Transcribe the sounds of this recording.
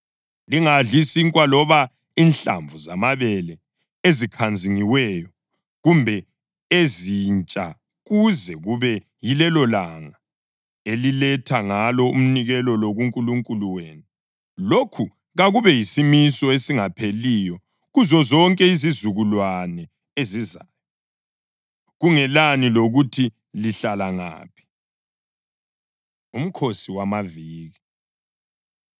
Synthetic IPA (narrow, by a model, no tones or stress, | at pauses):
liŋaɮisiŋkʼwalɔβa | inɬa̰ɱvʱuzamaβɛlɛ | ezikʰand͡zʱiŋiwɛjɔ | ɣumbʱɛ | ezint͡ʃʼa | ɣuzɛɣuβɛ | jilɛlɔlaŋa | elilɛtʰaŋalɔum̩niɣɛlɔloɣuŋkʼuluŋkʼuluweːnu | lokʰu | ɣaɣuβɛjisimisɔesiŋapʰelijɔ | ɣuzɔzɔŋkʼɛizizuɣulwanɛ | ezizaːjɔ | ɣuŋɛlaniloɣutʰi | liɬalaŋa̰ːpʰi̥ | um̩kʰosiwamaviːɣi